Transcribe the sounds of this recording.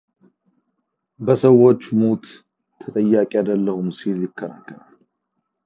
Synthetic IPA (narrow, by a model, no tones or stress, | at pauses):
bəsəwːo̞t͡ʃːmot̪ʰː | ət̪ʼəjːakʼijad̪əlːəhumsiljɪkʰːəna̰kːənal